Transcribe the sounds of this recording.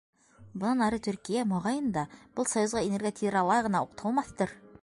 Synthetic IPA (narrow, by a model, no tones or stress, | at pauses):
bŏnɑnɑɾɤt̪ɵ̆ɾkijæmɑʁɑjɤ̆nd̪ɑb̥ɤlˠsɑjŏzʁɑineɾɡʲot̪ʲʰiɾɑlˠɑʁɤ̆nɑuqt̪ʰɑlˠmɑθt̪ɤɾ